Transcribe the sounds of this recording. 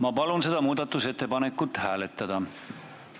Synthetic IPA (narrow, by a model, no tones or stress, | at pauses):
mɑpɑlunse̞d̪̥ɑmuːd̪ɑt̪ːˑuse̞t̪ːe̞pɑne̞kːˑut̪ːˑhæːle̞t̪ːˑɑd̪̥ɑ